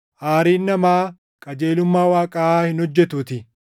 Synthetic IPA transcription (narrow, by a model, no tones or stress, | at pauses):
ʔaːɾiːnːɐmaː | kʼɐd͡ʒe̞ːlʊmːaːwaːkʼɐʔaːhɪnhɔd͡ʒːɛt̪uːt̪ɪ